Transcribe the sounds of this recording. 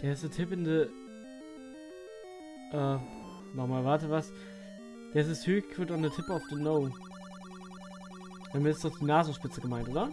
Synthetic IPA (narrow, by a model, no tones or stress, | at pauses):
d̥eːɐɪstnətʰɪpɪndə | ʔɛː | nɔχmaːlvaɐtəvas | d̥eːɐs̬ɪsthøːçkv̥ɪtɔnətʰɪpəaʊfd̥enoʊ | d̥amɪtɪsd̥ɔχd̥iːnaːzn̩ʃpɪt͡səɡəmaɪntʔoːdɐ